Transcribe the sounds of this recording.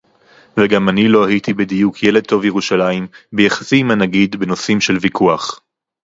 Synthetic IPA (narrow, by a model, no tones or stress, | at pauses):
veɡamanilo̞ahit̪ibidijukʰje̞le̞d̪̚t̪o̞vjeʁuʃalaimbejaχḁsimanaɡid̪beno̞simʃe̞lvikʰuaχ